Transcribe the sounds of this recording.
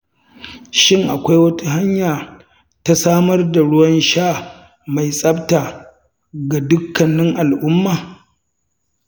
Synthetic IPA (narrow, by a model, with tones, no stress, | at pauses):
ʃɪ˦ŋʔa˨kʷa˦jwɐ˦tu˦ɦa˦ɲjaː˨ | ta˦saː˦mɐ˦rda˨ɽʊ˦wɐ˦nʃaː˦˨ | ma˨jsʼɐ˦bta˨ | ɡa˨dʊ˦kʰːɐ˨nːɪ˦ŋʔa˨lʔʊ˦mːaː˨